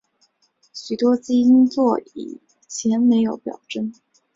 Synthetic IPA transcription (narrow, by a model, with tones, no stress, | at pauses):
ɕy˨˩t̪wɔ˥t͡ɕi˥i˥nt͡swɔ˥˩ḭ˨˩ | t͡ɕʰjɛ˧˥nme˧˥ɪjo˧˥ʊpjɑ̰˨˩ʊʈ͡ʂə˥˩ŋ